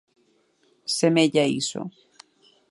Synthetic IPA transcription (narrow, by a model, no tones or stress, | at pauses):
semeʎaiso̰